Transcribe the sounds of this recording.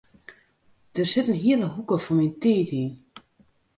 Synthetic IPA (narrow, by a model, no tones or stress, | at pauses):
d̥ərsɪtən̩ɦiələɦukəfɔminteːti